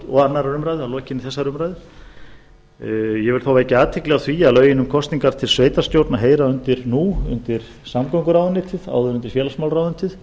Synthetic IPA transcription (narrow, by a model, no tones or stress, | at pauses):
ɔɣanːaɾaɾʏmɾajðɪalɔːcɪnɪθɛsːaɾʏmɾajðɪ | jɛvɪlθaːwvɛcɪaːt̪ʰɪklɛɣawθviaðlœːɥjɪnʏmkʰɔst̪niŋkaɾ̥t̪ʰɪlsveːjt̪aɾ̥st̪jowɾt̪naɦeːjɾaʏnt̪ɪɾnuʏ̰nt̪ɪɾ̥ | samkowŋkʏɾawðnɪt̪ʰɪða̰ːwðʏɾʏnt̪ɪɾ̥fjɛːlasmawlɾawðʏnt̪ʰɪθ